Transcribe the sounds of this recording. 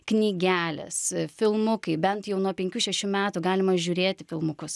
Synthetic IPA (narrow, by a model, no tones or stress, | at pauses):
knʲiːɡʲæːlʲɛ̰sfʲɪlˠmʊkɐɪbʲɛnt̪jɛʊnuɔpʲɛŋʲkʲuːʃʲɛʃʲuːmʲæːt̪ʊɡɑːlʲɪmɐʒʲuːɾʲeːt̪ʲɪfʲɪlˠmʊkʊs